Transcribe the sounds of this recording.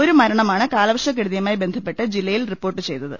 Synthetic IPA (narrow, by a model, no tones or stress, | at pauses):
o̞ɾumɐɾɐɳɐmaːɳɨkaːlɐbɐʂɐk̬ːiɽuðjɐmaːjibe̞nd̪ʱɐpːe̞ʈːɨd͡ʑilːɐjilripːo̞ːrʈːɨt͡ɕe̞jt̪ːɐðɨ̰